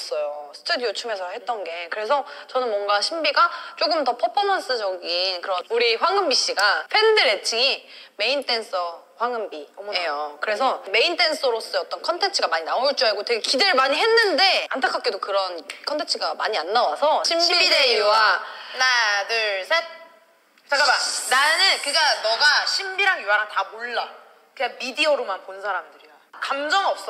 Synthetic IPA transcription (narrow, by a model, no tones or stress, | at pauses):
s͈ʌjosʰɯ̥tʰɯdijot͡ɕʰume̞sʰʌɦhe̞t̚t͈ʌnɡe̞kɯɾe̞sʰʌt͡ɕʌnɯnwʌnɡaɕʰimbiɡat͡ɕ͈oɡɯmtʌpʰʌpʰʌmʌns͈ʰɯd͡ʑʌɡinkɯɾʌnuɾiɸwaŋɯmbiɕ͈iɡapʰe̞ndɯɾet͡ɕʰiŋi | me̞int͈ʰe̞ns͈ʌ | ɸwaŋɯmbiejokɯɾe̞sʰʌme̞intʰe̞ns͈ʰʌɾos͈ɯʌt͈ʌnkʰʌntʰe̞nt͡ɕʰɯɡamaɲinauɭt͡ɕ͈uaɡotwe̞ɡekideɾɭmaɲiɦe̞nːɯnde̞antʰak͈ak͈edokɯɾʌnkʰʌntʰe̞nt͡ɕʰɯɡamaɲianːawasʰʌɕʰimbiɾauanadɯɭsʰe | t͡ɕekaananɯnkɯɡanʌɡaɕʰimbiɾaŋjuwaɾatamoɭːa | kɯɡamidiʌɾomanponsʰaɾamdɯɾiokamd͡ʑʌmʌp̚s͈ʌ